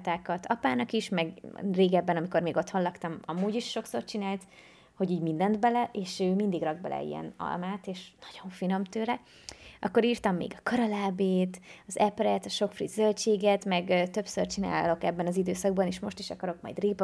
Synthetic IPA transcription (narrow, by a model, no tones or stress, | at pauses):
t̪aːkɒt̪ɒpaːnɒkiʃmɛɡreːɡɛbːɛnɒmiko̞rmeːɡo̞t̪ho̞nlɒkt̪ɒmɒmuːɟiʃːo̞kso̞̰rt͡ʃinaːlt̪ | ho̞ɟiːɟmind̪ɛnt̪bɛlɛʔeːʃøːmind̪iɡrɒɡ̚bɛ̰lɛ̰ḭjɛ̰nɒ̰lmaːt̪eːʃnɒ̥ɟ̥o̞ɱfino̞mt̪øːɾɛ | ɒkːo̞ɾiːrt̪ɒmːḛːɡɒkɒɾɒlaːbeːt̪ɒzɛprɛt̪ɒʃo̞kfrizølt͡ʃeːɡɛt̪mɛɡt̪ø̞psørt͡ʃina̰ːlo̞kɛbːɛnɒzid̪øːsɒɡ̚bɒneːʃmo̞ʃt̪iʃɒkɒɾo̞k̚mɒ̰jd̪reːp